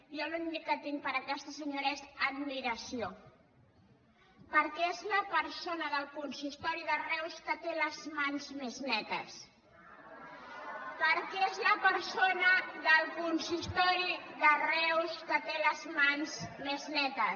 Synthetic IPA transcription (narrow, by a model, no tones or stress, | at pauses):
ʒɔnuind̪ikːət̪iŋ̚pəɾəkɛst̪əsəɲoɾesəd̪miɾəsio | pəɾkɛezləpəɾsonəðəlˠkunsist̪ɔɾiðərɛwskət̪eləzmanzmeznɛt̪əs | pəɾkɛezləpəɾsonəðəlˠkunsist̪ɔɾiðərɛwskət̪eləzmansmeznɛt̪ə